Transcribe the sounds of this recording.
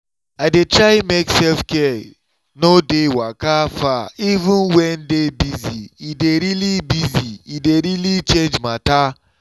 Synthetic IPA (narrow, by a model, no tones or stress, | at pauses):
aɪdetɹaɪmeksɛlfkɛ | nodewakafaivũnwɛndebiziideɾilibiziideɾilit͡ʃẽnd͡ʒmata